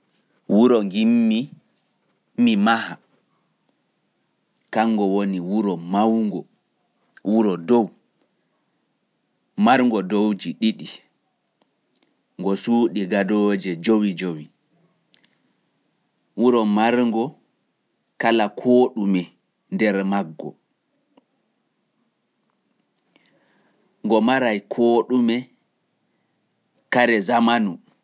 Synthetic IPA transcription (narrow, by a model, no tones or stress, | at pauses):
wuɾɔŋɡimːi | mimaha | kaŋːɡɔwoniwuɾɔmawŋɡɔ | wuɾɔdɔw | maɾŋɡɔdowd͡ʒiɗiɗi | ŋɡɔsuːɗiɡadɔd͡ʒɛd͡ʒowid͡ʒowi | wuɾɔmaɾŋɡɔ | kalakʰoːɗumɛ | ndɛɾmaɡːɔ̰ | ŋɡɔmaɾajkʰoːɗumɛ | kaɾɛzamanu